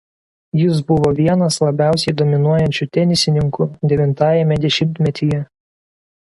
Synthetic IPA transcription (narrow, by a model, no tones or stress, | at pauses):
jɪs̬bʊʋoːʋʲiɛnɐslˠɐbʲæˑʊsʲɛɪd̪oːmʲɪnuɔjɛnʲt͡ʃʲʊt̪ʲɛnʲɪsʲɪnʲɪŋkʊd̪ʲɛʋʲɪnt̪ɑːjɛmʲɛd̪ʲɛʃʲɪmʲt̪ʲmʲɛt̪ʲijɛ